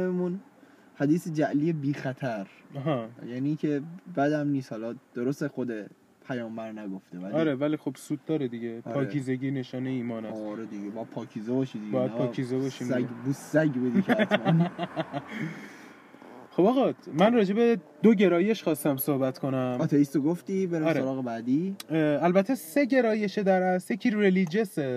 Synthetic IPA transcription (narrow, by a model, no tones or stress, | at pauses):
memun | hæd̪iːsed͡ʒæʔlijebiːxæt̪ʰæɾɦɑjæːniːcʰe̞bæd̪æmniːshɒlɒd̪̥oɾost̪exod̪e | pʰæjɒːmbæɾnæɡo̞ft̪evælɒiɾevælixobsuːd̪̚ːɒːɾed̪iɟeʔpʰɒːcʰizeɟiːneʃɒːneiːmɒːnæsɾed̪iɟebɒːjæd̪̚pʰɒːcʰiːzebɒːʃid̪ibɒːjæd̪pɒːizebɒʃimæɡbusːæɟbud̪ikʰæt̪mæn | xo̞bɒːɣɒmænrɒːd͡ʒe̞be̞d̪̥oɟe̞ɾɒːje̞ʃxɒːst̪æmsohbæt̪kʰo̞næmɒt̪ʰeist̪oɡoft̪ibeɾiɾoɾɒːɣebæːd̪iælbæt̪ʰe̞se̞ɟe̞ɾɒːje̞ʃed̪æɾæsjecʰiɾelid͡ʒe̞se